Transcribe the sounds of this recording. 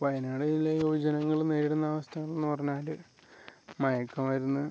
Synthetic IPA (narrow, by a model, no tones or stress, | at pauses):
pɐjɐnaːɽɐjilːɐjoːd͡ʑɐnɐŋːɐɭuneɾiɽunːaːʋɐst̪ʰɐŋːɐɭenːɨpɐrɐɲːaːlɨ | mɐjɐkːɐmʋɐɾunːɨ